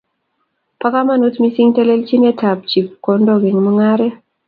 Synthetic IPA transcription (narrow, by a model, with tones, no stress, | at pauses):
pa˦ka˦ma˦˨nu˦tmi˦si˦ŋtɛ˦lɛ˦lt͡ʃi˦nɛ˦tʰa˨p̚t͡ʃi˨p̚ko˨ndo˨ɡɪ˨ŋmu˦ŋa˦ɾɛ˦